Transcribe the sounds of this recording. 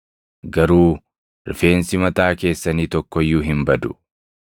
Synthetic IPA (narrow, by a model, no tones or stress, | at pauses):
ɡɐɾuː | ɾɪfe̞ːnsɪmɐt̪aːke̞ːsːɐniːt̪ɔkːɔjːuːɦɪmbɐd̪ʊ̥